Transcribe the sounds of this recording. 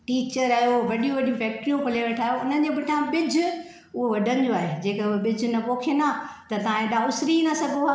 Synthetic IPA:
ʈiːt͡ɕəɾaːɦjoʋɐɗijũʋɐɗijũfʰɛːk̚ʈɾijũpʊleʋeʈʰaːjoʊnənɪ̆d͡ʑebɪʈʰãbɪd͡ʑʱʊ̆ | ʊɦoʋɐɖʱənɪ̆d͡ʑoaːɦed͡ʑeːkɐʊɦebɪd͡ʑʱʊnɐpoːkʰenaːt̪ɐt̪ɐʋãẽɗaːʊsɾinasɐɡʱo

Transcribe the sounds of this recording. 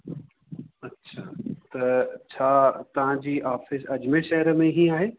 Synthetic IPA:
ɐtːɕʰaːt̪ɐt͡ɕʰaːt̪ɐʋ̤ãd͡ʑiːʔaːfɪsɐd͡ʑmẽʃɐɦəɾəmẽɦĩaːɦeː

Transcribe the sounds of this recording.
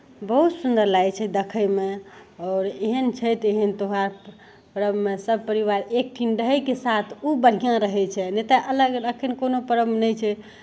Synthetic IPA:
bəɦut̪sund̪əɾlajt͡ʃʰɛd̪əkʰəjmeɔːɾeɦənt͡ʃʰɛt̪eɦənt̪oɦaɾ | pɾəbmesəb̚pəɾiʋaɾek̚ʈʰinɖəɦəjkesat̪ʰubəɽ̤ijãɾəɦɛt͡ʃʰɛnet̪aʔələɡɾəkʰənkonopəɾəbnəjt͡ʃʰɛ

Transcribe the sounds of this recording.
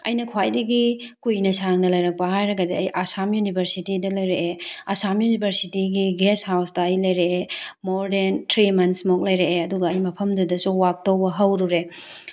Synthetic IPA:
ɐ̰jnɐkʰwajdɐɡikujnɐsaŋnɐlɐjɾɐk̚pɐɦajɾɐɡɐdiɐjʔasamjunibʱɐɾsitidɐlɐjɾeʔeasamjunibʱɐɾsitiɡiɡeshawsdɐːjlɐjɾeemoɾdentɾimɐnsmok̚lɐjɾeʔeɐduɡɐːjmɐpʰɐmdɐdɐsuwak̚towbɐɦɐwɾuɾe

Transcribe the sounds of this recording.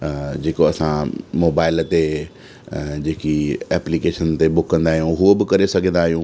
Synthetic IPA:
d͡ʑeːkoɐsãmoːbaːɪlt̪e | d͡ʑeːkiɛːplikeːʃənt̪ebʊkːɐ̃nd̪aːɦijũːɦuobɪkɐɾesɐɡʱə̃nd̪aːɦijũː

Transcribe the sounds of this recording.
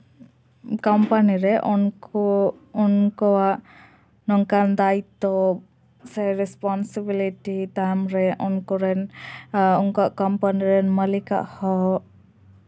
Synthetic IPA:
kɔmpaniɾɛʔɔnkɔːnkɔaʔ | nɔŋkand̪ajt̪ːɔ | sɛɾɛspɔnsibiliʈit̪amɾɛʔɔnkɔɾɛn | uŋkɔaʔkɔmpaniɾɛnməlika̰ʔhɔ

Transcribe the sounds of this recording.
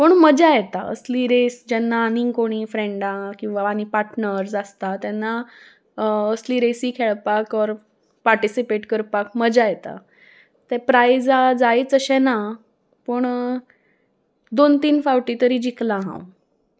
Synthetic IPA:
pəɳməd͡ʑajɛt̪a̰ə̰sliːɾesd͡ʑɛnːaːnĩŋɡkoɽ̃iːfɾẽɳɖãkĩw̃ʋaːñipaɾʈnəɾsast̪at̪jɛnːa | əsliːɾesiːkʰɛɭpakɔɾ | paɾʈisipeʈkəɾpakməd͡ʑajɛt̪a̰ | t̪ɛpɾajd͡zad͡zait͡səɕɛ̃na | pəɳ | d̪ont̪iːnfawʈit̪əɾiːd͡ʑiklãɦã̰w

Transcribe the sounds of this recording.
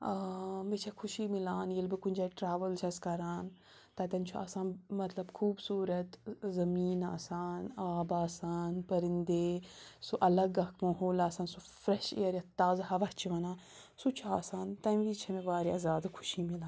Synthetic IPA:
mit͡ʃʰɐkʰuʃiːmilaːnjelbɨkunʲd͡ʒaːʈɾaːʋəlt͡ʃʰɐskɐɾaːn | t̪ɐt̪ɐnt͡ʃʰua̰ːsaːnmɐt̪lɐbkʰuːbsuːɾɐt̪zɐmiːnaːsaːnaːbaːsaːnpɐɾind̪eːsuʔɐlɐɡɐkʰmɐɦoːlaːsaːnsu | fɾeʃḛjɐɾjɐt̪aːzhɐʋɐt͡ʃʰiʋɐnaː | sut͡ʃʰua̰ːsaːnt̪ɐʋit͡ʃʰɐmeʋaːɾiɐzaːd̪kʰu̥ʃimilaːnn

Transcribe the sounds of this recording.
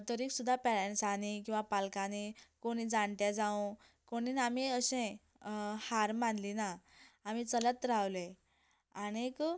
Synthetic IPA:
t̪əɾiːksud̪ʱːapɛɭẽnsanikĩw̃ʋapalkanikoɽ̃iːd͡zaɳt̪jad͡zaũ | koɽ̃iːnamiəɕẽ | haɾmanlinaːm̤iːt͡sələt̪ɾaʋle | añiek

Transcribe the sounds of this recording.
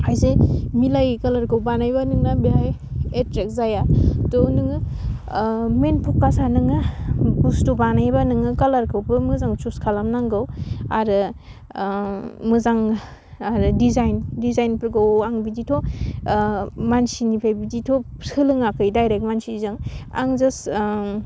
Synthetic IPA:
hajzemilajkɐlaɾkʰɯwbanajbanɯŋnabeɦaj | etɾek̚zajatonɯŋɯ | menpʰɔkːasanɯŋɯpustubanajbanɯŋɯkalaɾkʰɯwbɯmɯzaŋt͡ʃuskʰalamnaŋɡɯwaɾɯ | mɯzaŋ | aɾɯdizajndizajnpɾɡawaŋbiditʰo | mansinipʰajbiditʰosɯlɯŋakɯjdajɾek̚mansizɯŋa̰ŋzɯs

